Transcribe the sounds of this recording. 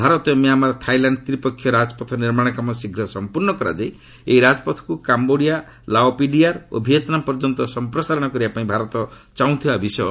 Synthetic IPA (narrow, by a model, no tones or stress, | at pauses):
bʱaɾɔt̪ɔmiamaɾt̪ʰajlaɳɖ̚t̪ɾipɔkʰːjɔɾad͡ʒɔpɔt̪ʰɔniɾmaɽ̃ɔkamɔsiɡʱɾɔsɔmpuɾnɔkɔɾa̰d͡ʒaj | eiɾad͡zpɔt̪ʰɔ̥kukamboɽija | laopiɖijaɾo̰bʱijet̪nampɔɾd͡ʒɔnt̪ɔsɔmpɾɔsaɾɔɽ̃ɔkɔɾibapaĩbʱaɾɔt̪ɔ | t͡ʃaũt̪ʰiabʱisɔ